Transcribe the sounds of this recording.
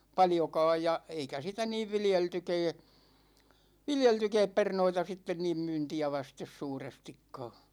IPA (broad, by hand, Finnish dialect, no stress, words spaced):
pɑljokɑːj jɑ eikæ sitæ niːʋ ʋiljeltykɛː ʋiljeltykɛːp pernoitɑ sitːen niːm myːntiæ ʋɑstes suːrestikːɑː